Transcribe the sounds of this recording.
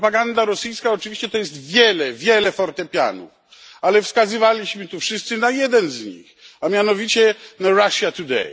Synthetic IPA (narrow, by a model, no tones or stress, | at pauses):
paɡand̪aɾɔsɨjskaɔt͡ʂɨvʲiɕt͡ɕɛt̪ɔjɛs̬t̪vʲjɛlɛvʲjɛlɛfɔɾt̪ɛpʲja̰nṵf | alɛfskazɨvalʲiɕmɘt̪ufʂɘst̪sɨnajɛd̪ɛnzɲḭxamʲjanɔvʲit͡ɕɛnaɾaʂjat̪ud̪ɛ̰j